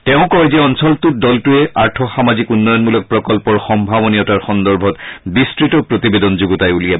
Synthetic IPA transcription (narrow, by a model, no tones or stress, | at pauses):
tɛʊ̃kɔɛzɛɔnsɔltut̚dɔltuɛaɹtʰɔxamazikunːɔjɔnmulɔk̚pɹɔkɔlpɔɹxɔmbʱabɔniɔtaɹxɔndɔɹbʱɔtbistɹitɔpɹotibedɔnzuɡɔtajulija